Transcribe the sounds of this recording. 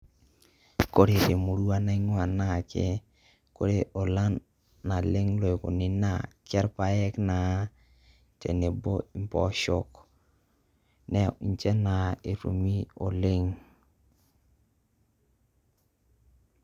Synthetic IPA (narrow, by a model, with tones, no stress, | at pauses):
ko˦ɾe˨ɾe˨mu˨ɾu˦a˦na˦i˦ŋwa˨na˦˨kḛ˦ | ko˦ɾe˦ʔo˨la˦nː | a˨le˦ŋlo˨e˨ko̰˨ni˨na˨kɛ˦ɾpa˦ɛ˦kna˨˦ | tḛ˨ne˨bo˦i˦mpɔ̰˦ʃo˦k | nɛ˨i˨nt͡ʃe˦na˨e˨ɾṵ˨mi˦o˨le˦ŋ